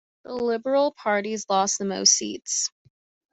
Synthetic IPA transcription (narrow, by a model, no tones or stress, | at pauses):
ðəlɪbə˞l̩ˠpʰɑɹɾizlɔsðəmo̰ʊsḭts